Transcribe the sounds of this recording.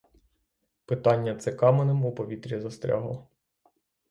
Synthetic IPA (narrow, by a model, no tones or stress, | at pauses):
pɪt̪ɑnʲːɐt̪sɛkɑmenɪmupɔʋʲit̪ɾʲizɐst̪ɾʲa̰ɦɔ̰